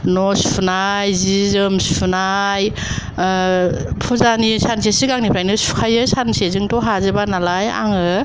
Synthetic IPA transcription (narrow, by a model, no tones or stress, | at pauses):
nɔspʰunajzizɯmspʰunaj | pʰuzanisansesikaŋnipɾajnɯsu̥kʰajɯsansezɯŋtɔɦazɯbanalaja̰ŋɯ